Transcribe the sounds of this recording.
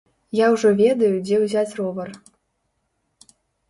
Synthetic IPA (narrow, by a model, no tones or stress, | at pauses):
jawʐɔvʲɛd̪ɐjud͡zʲɛwzʲat͡sʲrɔvɐr